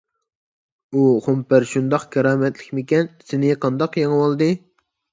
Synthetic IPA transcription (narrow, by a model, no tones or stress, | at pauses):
uχompæɾʃund̪ɑqkʲʰɑɾɑːmɛt̪lɪkʲmɪkʲɛnsɪnɪqʰɑnd̪ɑqjɑŋɨwolˠd̪ɨ